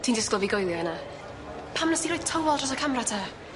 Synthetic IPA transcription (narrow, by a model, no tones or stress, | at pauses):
tʰiːndɪsɡlˠəviɡojlˠjɔɛna | pʰamnəsiɾoj̥̚tʰəwɔlˠdr̥ɔsɔkʰamratʰa